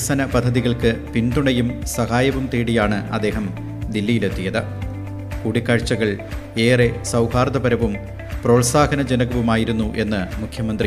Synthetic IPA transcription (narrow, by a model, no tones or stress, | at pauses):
sɐnɐpɐd̪ʱːɐðiɣɐɭkɨpinɖ̪uɳɐjumsɐhaːjɐʋumt̪iːɽijaːɳɨʔɐ̰d̪ːe̞ːɦɐm | d̪ilːijile̞t̪ːijɐðɨ | kuːɽikːaːɻt͡ɕːɐɣɐɭe̞ːresɐwhaːrd̪ɐpɐɾɐʋum | pro̞ːɭsaːɡɐnɐd͡ʑenɐɣɐʋumaːjiɾunːuʔe̞nːɨmukʰjɐmɐnd̪ri